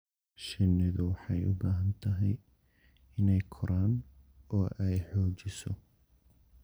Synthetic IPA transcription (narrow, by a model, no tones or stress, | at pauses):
ʃɪnːɪðʊwɑħɑjʊ̰baːɦɐnt̪ʰɐɦɛj | ɪnɛjkʰʊɾaːnɔːʔɛjħɔːt͡ʃɪsɔ